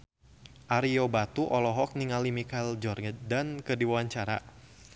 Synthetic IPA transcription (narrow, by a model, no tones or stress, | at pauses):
ʔaɾiobat̪uʔɔlɔɦɔk̚niŋalimikald͡ʒɔrɡədankədiwawaɲt͡ʃaɾa̰